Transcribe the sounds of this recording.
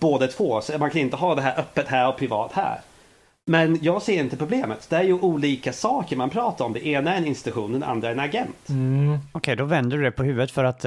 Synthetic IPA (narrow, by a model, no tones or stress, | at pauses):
b̥oːd̪ət̪ʰv̥oːsɔmankʰanɪnt̪əɦɑːd̪ɛɦæːɾʔœpːət̪hæːɾɔpʰɾɪvɑ̰ːt̪hæ̰ːɾ | mɛnjɑːɡseːɾɪnt̪əpʰɾʊbleːmət̪d̪ɛæɾjɵʔuːliːkasɑːkəɾmanpʰɾɑːt̪aɾɔmd̪ɛʔeːnaæɾɛnɪnst̪ɪ̥t̪ɵɧuːnd̪ɛnʔa̰nd̪ɾaæɾɛnaɡɛnt̪ɔkʰɛjd̪ɔvɛnd̪ədɵd̪ɛpʰɔhʉ̟ːvət̪fœɾat̪